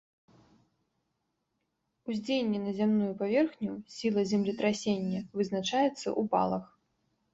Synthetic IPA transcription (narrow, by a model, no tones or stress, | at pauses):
uzʲd͡zʲejnʲːɛnɐzʲamnujupavʲɛrxnʲusʲilˠɐzʲɛmlʲit̪ɾasʲenʲːɐvɨznat͡ʂajɛt̪sːɐ̰ʔuba̰lˠɐx